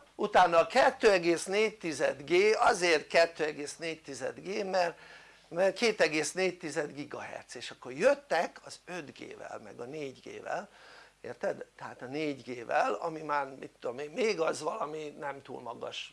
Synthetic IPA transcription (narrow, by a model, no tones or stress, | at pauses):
ut̪aːnːɒkɛt̪ːøːɛɡeːsneːc̚t̪izɛd̪ɡeːɒzeːrkɛt̪ːøːɛɡeːsneːct̪izɛ̰d̪ɡeːmɛr | mɛrkeːt̪ɛɡeːsneːct̪izɛd̪ɡiɡɒ̰ɦɛ̰rt̪seːʃɒkːo̞rjøt̪ːɛkʰɒzød̪ɡḛːvɛ̰lmɛ̰ɡɒneːɟɡḛːvɛ̰leːrt̪ɛd̪t̪ɛɦaːt̪ɒneːɟɡeːvɛ̰lɒ̰mimaːrmit̪ːud̪omeːmmeːɡɒzʋɒlɒminɛmt̪ṵːlmɒɡɒ̰ʃ